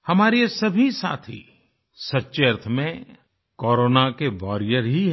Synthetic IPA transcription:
hɐmaːɾesɐbʱisa̰ːt̪ʰḭ | sɐtːʃeɐɾt̪ʰəmẽ | kɔːɾoːnakeʋɔːɾijəɾɦiɦ

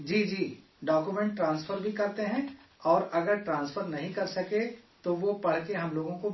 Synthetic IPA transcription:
d͡ʒiːd͡ʒiː | ɖɔːkjumẽɳʈʈːɾãːnsfəɾbʱikɐɾt̪eɦɛ̃ | ɔːɾɐɡəɾʈɾãːnsfəɾnɐɦĩkɐɾsɐket̪oʋopɐɽ̤keɦɐmloːɡõko

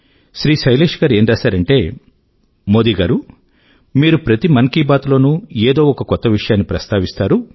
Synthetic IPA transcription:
ʃɾiːʃɐjleːʂɡaːɾe̞ːɳɖaːsaːɾɐɳʈe̞ː | mo̞ːd̪iɡaːɾu | miːɾupɾɐt̪imɐŋkiːbaːt̪lo̞ːnueːd̪o̞ːɔkɐkɔt̪ːɐʋiʂɐjaːnːipɾɐst̪aːʋist̪aːɾu

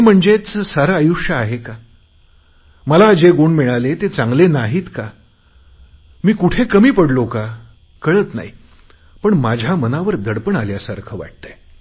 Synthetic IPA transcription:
em̤əɳd͡zet͡ssaɾaːjuʂjəːɦeka | məlaːd͡ʑeɡuɳmiɭalet̪et͡sãŋɡlenaɦiːt̪ka | miːkuʈʰekəmiːpəɽloka | kəɭət̪na̰ɦi | pəɳmad͡ʑʱjamənaʋəɾd̪ʱəɽpəɳaljasaɾkʰəʋa̰ʈ̚t̪ə

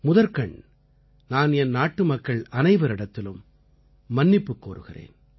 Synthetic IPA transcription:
mʊðɐɾkɐɳ | naːnɛnnaːʈːɯmɐkːɐɭɐnɐɪʋɐɾɪɽɐt̪ːɪlɯmː | ɐnːɪpːɯkːoːɾɯ̰ɣɪrḛːn

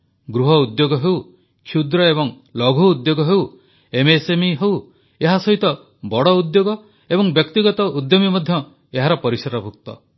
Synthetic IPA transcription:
ɡɾuɦɔud̪joɡɔɦew | kʰud̪ɾɔebɔŋ | lɔɡʱuud̪joɡɔɦew | emesemiɦew | eɦasɔɦit̪ɔ | bɔɽɔud̪joɡɔ | ebɔŋbjɔkt̪iɡɔt̪ɔud̪jobimɔd̪ʱjɔ | eɦaɾɔpɔɾisaɾɔbʱuk̚t̪ɔ̰

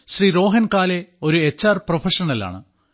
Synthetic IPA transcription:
ɕriːɾo̞ːɦɐnkaːle̞o̞ɾuet͡ɕːaːrprofɐʂɐnɐla̰ːɳɨ

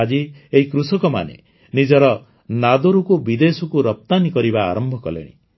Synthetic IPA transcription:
ad͡ʒieɦikɾusɔkɔma̰nḛ | nid͡ʒɔɾɔ | nad̪oɾukubid̪esɔkuɾɔp̚t̪anikɔɾiba̰ːɾɔmbʱɔkɔlḛɽ̃ḭ

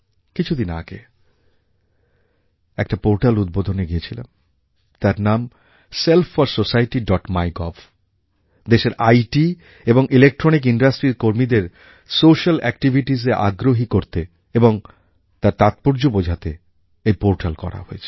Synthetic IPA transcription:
kit͡ɕʰud̪ina̰ɡe | ɛk̚ʈapoɾʈalud̪̚bod̪ʱoneɡiet͡ɕʰila̰m | t̪aɾnam | selfʰaɾsosajʈiɖɔʈmajɡɔf | d̪eʃeɾʔajʈi | eboŋʔilek̚ʈɾɔnik̬inɖasʈɾiɾkoɾmid̪eɾ | soʃalɛk̚ʈibʱiʈizeʔa̰ɡɾoɦikoɾt̪e | eboŋ | t̪aɾt̪at̪̚poɾd͡ʑobod͡ʑʱat̪e | ejpoɾʈalkɔ̰ɾa̰ɦoet͡ɕʰe̥

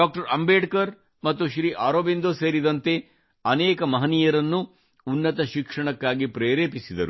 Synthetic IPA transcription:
ɖaːk̚ʈɐɾɐmbeːɖkɐɾ | mɐt̪ːuʃɾiːʔaːɾoːbend̪oseːɾid̪ɐnt̪e̞ | ɐnɛːkɐmɐɦɐnijɐɾɐnːuː | nːɐt̪ɐʃikʂɐɳɐkːaːɡipɾeːɾeːpisid̪ɐɾu

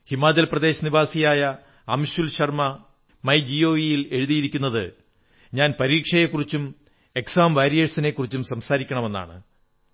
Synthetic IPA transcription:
himaːd͡ʑɐlprɐd̪e̞ːɕɐnibʱaːsijaːjɐ | ɐmɕulɕɐrmɐ | mɐjd͡ʑio̞ːʋijile̞ɻuðijiɾikʲːunːɐðɨ | ɲaːnpɐɾiːkʂɐje̞kːurit͡ɕːum | e̞ksaːmʋaːɾjɐʈsine̞kːurit͡ɕːumsɐmsaːɾikʲːɐɳɐme̞nːa̰ːɳɨ̰

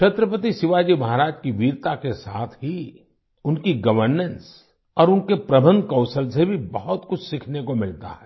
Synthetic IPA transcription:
ʃʰɐt̪ɾəpət̪isɪʋad͡ʒimɐɦaɾaːd͡ʒkiʋiːɾt̪akesa̰ːt̪ʰɦi | ʊnkiɡɐʋəɾnə̃ns | ɔːɾʊnkepɾɐbʱə̃nd̪kɔ̃ʊsəlsebʱibɐɦɔt̪kʊt͡ʃʰsɪkʰnekomɪlt̪a̰ɦɛː

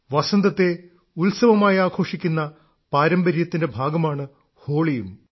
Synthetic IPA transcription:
ʋɐsɐnd̪ɐt̪ːe̞ | ulsɐʋɐmaːjaːkʰo̞ːʂikʲːunːɐ | paːɾɐmbɐɾjɐt̪ːinde̞bʱaːɡɐmaːɳɨ | ho̞ːɭijum

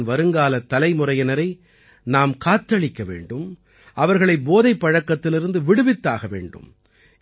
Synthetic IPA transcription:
nʋɐɾɯŋɡaːlɐt̪ːɐlɐɪmʊrɐjɐnɐɾɐɪ | naːmkaːt̪ːɐɭɪkːɐʋḛːɳɖɯm | ʔɐʋɐɾɣɐɭɐɪboːðɐɪpːɐɻɐkːɐt̪ːɪlɪɾɯnd̪ɯʋɪɽɯʋɪt̪ːa̰ːɣɐʋḛːɳɖɯ̰m

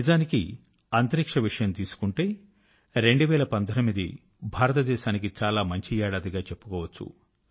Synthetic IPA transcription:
izaːniki | ɐnt̪ɐɾikʂɐʋiʂɐjɐmt̪iːsu̥kuɳʈeː | ɾe̞ɳɖuʋɛːɭɐpɐnd̪ʱɐnɐmid̪ḭ | bʱaːɾɐt̪ɐd̪ɛːʃaːnik̬it͡ʃaːlaːmɐɲt͡ʃijaːɽɐd̪iɡaːt͡ʃe̞pːu̥kɔːʋɐt͡ʃːṵ

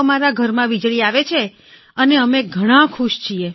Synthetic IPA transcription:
maɾaɡʱəɾmãʋid͡ʒɭiaʋet͡ʃʰe | əneəmeɡʱəɽ̃ãkʰuʃt͡ʃʰie

